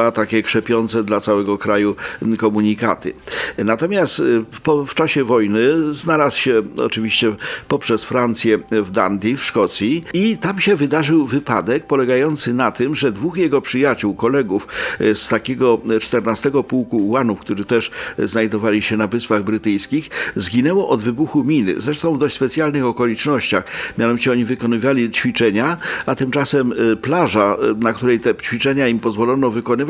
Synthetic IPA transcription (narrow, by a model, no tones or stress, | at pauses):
at̪akʲɛkʂɛpʲjɔnt̪sɛd̪lat̪sawɛɡɔkɾajukɔmuɲikat̪ɘ̰nat̪ɔmʲjast̪pɔft͡ʂaɕɛvɔjnɘznalaswɕɛɔ̰t͡ʂɘvʲiɕt͡ɕɛpɔpʂɛsfɾant̪sʲjɛvd̪a̰nd̪ʲifʂkɔt̪sʲjiit̪amɕɛvɘd̪aʐɘwvɘpa̰d̪ɛk̚pɔlɛɡajɔnt̪sɘnat̪ɘmʐɛd̪vuxjɛɡɔpʂɘjat͡ɕuwkɔlɛɡufst̪akʲɛɡɔt͡ʂt̪ɛɾnast̪ɛɡɔpuwkuːwanufkt̪uʐɘt̪ɛʂznajd̪ɔvalʲiɕɛnavɘspaɣbɾɘt̪ɘjskʲixzɡʲinɛwɔʔɔd̪vɘbuxumʲinɘ̰zɾɛʂt̪ɔ̃w̃vd̪ɔɕt͡ɕʲspɛt̪sʲjalnɘxɔkɔlʲit͡ʂnɔɕt͡ɕaxmʲjanɔvit͡ɕɛɔɲivɘkɔnɘvalʲit͡ɕfʲit͡ʂɛɲaat̪ɘmt͡ʂasɛmplaʐanakt̪uɾɛjt̪ɛt͡ɕfʲit͡ʂɛɲaimpɔzvɔlɔnɔvɘkɔnɘva